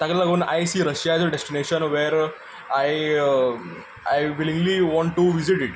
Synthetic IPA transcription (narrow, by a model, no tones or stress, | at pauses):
t̪aɡlaɡounajsiːɾəɕjaɛzeɖesʈineɕənʋeɾ | aj | ajʋilĩŋɡliʋɔ̃ɳʈːuʋiziʈiʈ